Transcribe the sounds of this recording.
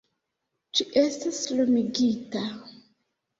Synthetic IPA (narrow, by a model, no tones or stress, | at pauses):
d͡ʒiʔestaslomiɡita